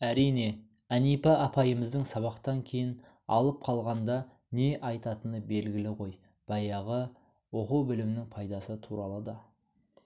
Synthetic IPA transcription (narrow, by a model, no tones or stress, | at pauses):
æɾijne̞ | ænijpɑʔːpʰɑjəməzd̪əŋsɑβɑqt̪ɑŋkʲʰe̞jɪn | ɑ̰lˠəp̚qʰɑlˠʁɑnd̪ɑ | ne̞ʔɑjt̪ɑt̪ənəbe̞lɡʲɪlɪʁo̞j | b̥ɑjɑʁə | wo̞quwbɪlɪmnɪŋpʰɑjd̪ɑsət̪ʰuɾɑlˠəd̪ɑ